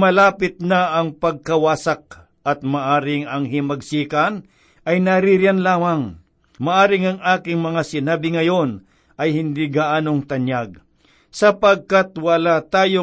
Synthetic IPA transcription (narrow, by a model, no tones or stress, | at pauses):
mɐlaːpɪt̪̚nɐʔɐŋpɐɡ̚kɐwaːsak̚ | ɐt̪̚maʔaːɾɪŋɐŋɦɪmɐɡsiːkɐn | ʔɐjnɐɾiɾɪanlaːmɐŋ | maʔaːɾɪŋɐŋaːkɪŋmɐŋasɪnaːbɪŋɐjo̞n | ʔɐjhɪnd̪iɡaʔaːnoŋt̪ɐnjaɡ̚ | sɐpɐɡ̚kat̪wɐlat̪aːjo